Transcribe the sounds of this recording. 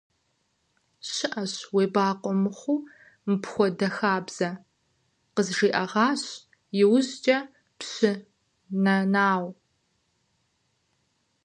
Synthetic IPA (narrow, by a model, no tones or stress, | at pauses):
ɕɪʔɐɕweːbaːqʷʼɔmɨχʷuː | mɨpxʷɔdɐxaːbz̥ɐ | qəzʐiːʔɐʁɑːɕ | jɪwʊzt͡ʃʼɐ | pɕɪ | nɐnaːw